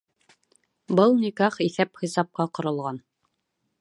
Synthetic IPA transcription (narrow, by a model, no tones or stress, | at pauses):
bɤlˠnikɑχiθæpχĭsɑp̚qɑqŏɾɤ̆lˠʁɑn